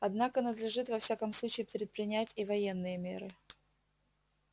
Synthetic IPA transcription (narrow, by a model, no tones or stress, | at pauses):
ɐd̪nakənəd̪lʲɪʐɨt̪vɐfsʲakəmslˠut͡ɕɪːpɾʲɪt̪̚pɾʲɪnʲætʲivɐje̞nːɨjəmʲḛɾɨ